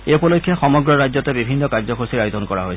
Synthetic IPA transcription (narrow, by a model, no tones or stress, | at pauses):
eupɔlokʰːjɔxɔmɔɡɹɔɾajd͡ʒɔt̪ebibʱinːɔkaɾd͡ʒɔkosiɾajod̪ɔnkɔɾa̰ɦojʰ